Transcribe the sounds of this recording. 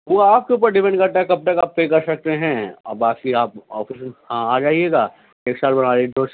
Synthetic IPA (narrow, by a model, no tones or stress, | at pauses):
ʋoaːp̚keuːp̬əɾɖɪpɛ̃ɳɖkɐɾt̪aɦɛkɐb̚t̪ɐkaːppːekɐɾsɐk̚t̪eɦɛ̃ːɐ̰baːkkiaːpɔːfɪshãːaːd͡ʒaːɦieːɡaː | eːksaːlbɐnaːɾeɖoːɾs